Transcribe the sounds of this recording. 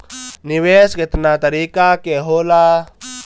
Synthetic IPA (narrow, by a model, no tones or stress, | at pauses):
nɪweːskɪt̪nat̪ɐɾiːkakeɦoːlaː